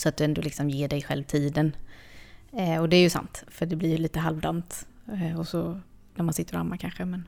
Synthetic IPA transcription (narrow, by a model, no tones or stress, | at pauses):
sɔat̪̚d̪ɵɛnd̪oːlɪksɔmjeːɖɛjɧɛ̰lvt̪ʰiːd̪ən | ɔd̪ɛːɾjɵsa̰nt̪fœɖɛblɪɾjɵliːt̪əɦalvd̪ant̪ː | ɔsɔnæɾmansɪt̪ːəɾa̰mːakʰanɧəmɛn